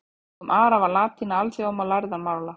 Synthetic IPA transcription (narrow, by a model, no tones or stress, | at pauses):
ɔmʔaːɾavalaːt̪ʰinːaalsiɔmalajɾðanmaːɾla